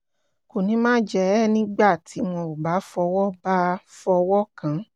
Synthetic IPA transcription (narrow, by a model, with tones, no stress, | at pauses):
ko˨nĩ˨˦mãː˦d͡ʒɛ˦ɛ˦˨nĩ˦ɡ͡ba˦˨tʰi˨˦m̃ɔ̃˧u˨ɡ͡ba˨˦fɔ˧wɔ˦ba˦fɔ˧wɔ˦kã˧˨